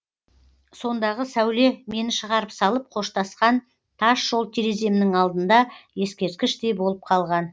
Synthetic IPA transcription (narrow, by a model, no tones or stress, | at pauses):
so̞nd̪ɑʁəsæwle̞me̞nɪʃəʁɑɾəpsɑlˠəp̚qʰo̞ʃt̪ɑsqɑn | t̪ʰɑʃʒ̥olˠt̪ʰiɾe̞ze̞mɪnɪŋɑlˠd̪ənd̪ɑje̞skʲe̞ɾt̪̚kʲɪʃd̪e̞bo̞lˠəp̚qʰɑlˠʁɑn